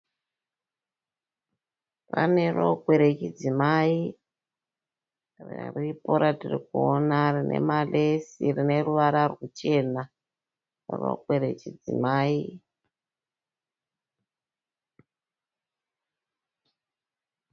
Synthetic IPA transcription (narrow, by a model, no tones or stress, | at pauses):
raneroɡʱwe̞ɾet͡ʃid͡zimai | rripoɾatirikuonarinḛmalesirine̞ruʋaɾarwut͡ʃe̞na | rro̰ɡʱweɾet͡ʃid͡zimaːi